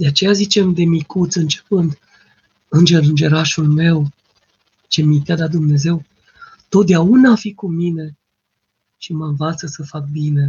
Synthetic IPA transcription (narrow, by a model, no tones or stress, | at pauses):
d̪e̞at͡ʃe̞jazit͡ʃe̞md̪e̞mikut̪sɨnt͡ʃe̥pɨnd̪ | ɨnd͡ʒeɾɨnd͡ʒe̞ɾaʃulme̞w | t͡ʃe̞mit̪jad̪at̪̚d̪umne̞ze̞w | t̪o̞t̪̚d̪eaunaːfikumine̞ | ʃimənvat̪səsəfak̚bine̞